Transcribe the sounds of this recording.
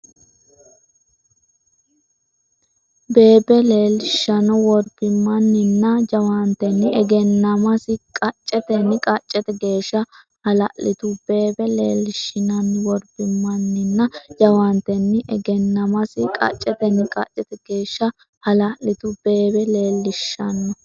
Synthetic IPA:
be̞ːbɛle̞ːlɪʃːɐnɔwɔɾb̥ɪmːɐnːɪnːɐd͡ʒɐwɐnt̪ɛnːɪɛɡɛnːɐmɐsɪkʼɐt͡ʃʼːɛt̪ɛnːɪkʼɐt͡ʃʼːɛt̪ɛɡe̞ːʃːɐ | hɐlɐʔɪt̪ʊb̥e̞ːbɛleːlːɪʃːɪnɐnwɔɾb̥ɪmːɐnːɪnːɐd͡ʒɐwɐnt̪ɛnːɪʔɛɡɛnːɐmɐsɪkʼɐ̰t͡ʃʼːɛt̪ɛnːɪkʼɐt͡ʃʼːɛt̪ɛɡ̥e̞ːʃːɐ | hɐlɐʔlɪt̪ʊb̥e̞ːbɛle̞ːlːɪʃːɐnːɔ

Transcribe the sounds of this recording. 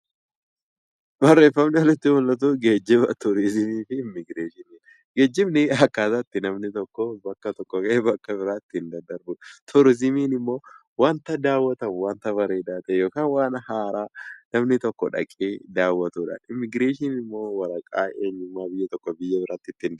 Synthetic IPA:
bɐrːe̞ːfːɐmnɪwɔlɪt̪ːɪhʊlːɐt̪̬uɡe̞ːd͡ʒːɪbɐt̪ʊɾɪzɪmiːfɪːmːɪɡɾeːʃɪniːn | ɡe̞ːd͡ʒːɪbnɪɐkːaːsɐt̪ːɪnɐmnɪt̪ɔkːɔbɐkːɐt̪ɔkːɔkɐbɐkːɐbɪɾaːɪt̪ːɪɪnd̪ɐnd̪ɐɾbʊt̪ʰʊɾɪzɪmiːnɪmːo̞ː | waːnt̪ɐd̪aːwːɐt̪ɐmʊwaːnt̪ɐbɐɾeːd̪aːt̪ɛjo̞ːkaːnwaːnhaːɾaːnɐmnɪt̪ɔkːɔᶑɐ̰kʼːeːd̪aːwːɐt̪uːᶑɐ̰ɪmːɪɡɾeːʃɪnɪmːo̞ːwɐɾɐkʼaːe̞ːɲːʊmːaːbɪjːɛt̪ɔkːɔbɪjːɐbɪɾat̪ːɪɪt̪ːɪnd̪

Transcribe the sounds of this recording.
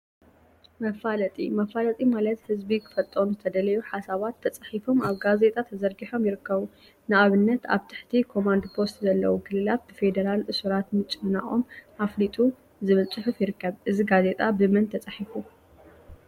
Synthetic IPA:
mɐfalɐt̪ʼḭmɐfalɐt̪ʼimalɐt̪hɨzbikʰɨ̥fɐt̪ʼɾomzɨt̪ʰɐd̪ɐlɐjuħasaβat̪ʰːɐt͡sʼaħifo̞maβɡaze̞t̪ʼat̪ʰɐzɐɾɡiħo̞mjɪɾɨkʰːɐβu | nɨʔaβɨnːɐt̪a̰βt̪ʰɨ̥ħt̪ʰikʰo̞mand̪pʰo̞st̪zɐlːɐ̰wukʰɨlɨlat̪̚b̥ɨfe̞d̪ɐɾalʔɨsuɾat̪mɨt͡ʃʼːɨmɨna̰ʔʼo̞̰mʔaflit̪ʼu | zɨβɨlt͡sʼɨħufjɪɾɨkːɐβʔɨziɡaze̞t̪ʼabɨmɨnt̪ʰɐt͡sʼaħifu

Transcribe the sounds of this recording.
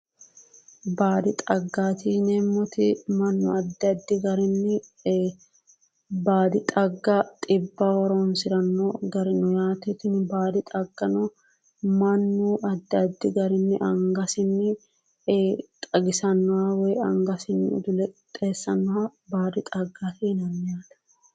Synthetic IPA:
baːd̪ɪt̪ʼɐɡːaːt̪ʰiːnɛmːɔt̪ɪmɐnːʊɐd̪ːɐd̪ːɪɡɐɾɪnːɪ | baːd̪ɪt̪ʼɐɡːɐt̪ʼɪbːɐwɔɾɔnsɪɾɐnːɔɡɐɾɪnʊjaːt̪ɛt̪ɪnbaːd̪ɪt̪ʼɐɡːɐnɔ | mɐnːʊʔɐd̪ːɐd̪ːɪɡɐɾɪnːɪʔɐŋɡɐsɪnːɪ | t̪ʼɐɡɪsɐnːɔwɐwɔjɐŋɡɐsɪnːɪʊ̰d̪ʊlɛt̪ʼeːsːɐnːɔhɐbaːd̪ɪt̪ʼɐɡːat̪inɐmːɪjaːt̪ɐ̥

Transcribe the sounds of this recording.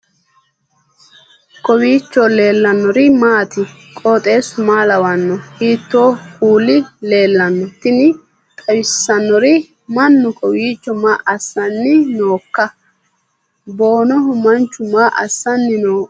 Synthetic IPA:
kɔwiːt͡ʃːɔle̞ːlːɐnːɔɾɪmaːt̪ɪ | kʼoːt̪ʼe̞ːsʊmaːlɐwɐnːɔhiːt̪ːoːkuːlːɪle̞ːlːɐnːɔt̪ɪnɪ | t̪ʼɐwɪsːɐnːɔɾɪ | mɐnːʊkʼɔwiːt͡ʃːɔmaːʔɐsːɐnːɪnoːkːɐ | bo̞ːnɔɦʊmɐnt͡ʃːʊmaːʔɐ̰sːɐnːɪnoː

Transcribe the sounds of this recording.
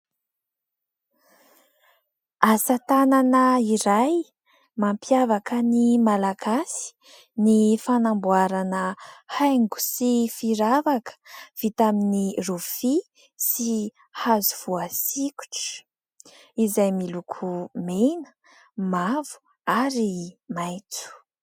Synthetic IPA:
asat̪ananəiɾaj | mampjavakənimalaɡasi̥ | nifanambuaɾanəhajŋɡu̥sifiɾavakə̥v̥it̪aminirufi | si | hazuv̥uasiku̥ʈ͡ʂə̥ | izajmilukʰumenə̥ | mavu̥ | aɾimajt͡su̥

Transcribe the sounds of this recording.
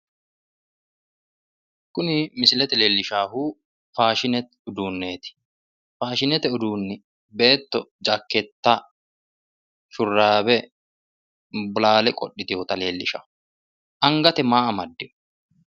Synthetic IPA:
kʊnɪmɪsɪlɛt̪ɛle̞ːlːɪʃaːhuː | faːʃɪnɛt̪ʊd̪uːnːe̞ːt̪ɪ̥ | faːʃɪnɛt̪ɛʊd̪uːnːɪ | be̞ːt̪ːɔd͡ʒɐkːɛt̪ːa | ʃʊrːaːbɛ | bʊlaːlɛkʼɔɗːɪt̪ɪjoːt̪ɐle̞ːlːɪʃɐ̰ | ʔɐŋɡɐt̪ɛmaːʔɐmɐd̪ːɪ

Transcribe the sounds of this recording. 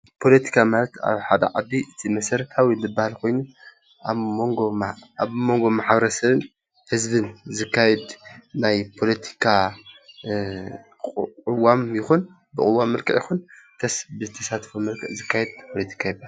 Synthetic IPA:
pʰo̞lɐt̪ʰi̥kʰamalɐt̪ʰa̰βħad̪ɐ̰ʕad̪ːiʔɨt̪ʰimɐsɐɾɐt̪ʰawilɨbːahalkʰo̞jnu | oŋɡoaβmo̞ŋɡo̞maħbɐɾɐsɐβɨn | hɨzbɨnzɨkʰːajɛd̪najpʰo̞lɐt̪ʰi̥kʰa | ɨwːamjɪxun | bɨkʼɨwːamːɐlkʰɐʔjɪxunt̪ʰɐsbɨzɨt̪ʰɐsat̪fomɐlkʰɐʔzɨkʰːajɛd̪̚pʰo̞let̪ʰi̥kʰajibaha

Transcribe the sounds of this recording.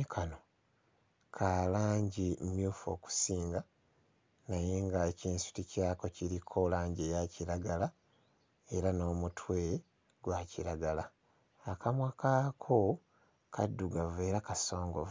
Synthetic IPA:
kʰano | kʰalaːɲɟimjuːfo̞ːku̥siːŋɡa | najeŋɡaeciːnsu̥ticaːko̞ciɾikʰo̞laːɲɟejaciɾaɡala | eɾano̞ːmutʰwe̞ːe | ɡwaːciɾaɡala | akamwakaːkʰo | kʰadːuɡave̞ːɾakaso̞ːŋɡov

